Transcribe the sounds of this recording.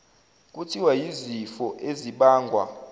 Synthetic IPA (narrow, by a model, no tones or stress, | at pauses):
k̬ʼutʰiwajizifɔʔeziɓaːŋɡʱwa̰